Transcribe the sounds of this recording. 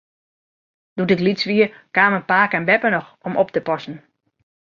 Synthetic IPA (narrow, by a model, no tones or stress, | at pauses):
d̥udɪklisʋiə | kaːməpaːkɛnbɛpənɔxomɔp̚təpɔsn̩